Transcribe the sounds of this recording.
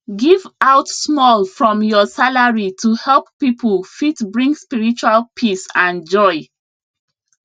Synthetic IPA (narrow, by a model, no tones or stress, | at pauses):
ɡivaʊtsmɔlfɹɔ̃mjɔsalaɹitʰuhɛlˠpːipʰəl̩fitbɹĩŋɡspiɹit͡ʃualpʰisãnd͡ʒɔɪ